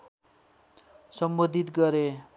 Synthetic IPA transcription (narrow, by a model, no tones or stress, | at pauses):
sʌmbod̪ʱit̪ɡʌɾe